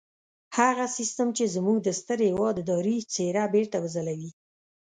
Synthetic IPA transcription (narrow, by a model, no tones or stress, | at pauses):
haɣasist̪əmt͡ʃezmuɡ̚d̪əst̪əɾhɪwɑd̪əd̪ɑɾit͡seɾabeɾt̪awəzəlawi